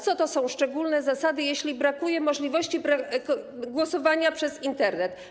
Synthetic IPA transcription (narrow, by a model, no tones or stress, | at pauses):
t̪sɔt̪ɔsɔ̃w̃ʂt͡ʂɛɡulnɛzasad̪ɘjeɕlʲibɾakujɛmɔʐlʲivɔɕt͡ɕibɾa | ɡwɔsɔvaɲapʂɛzint̪ɛɾnɛt̪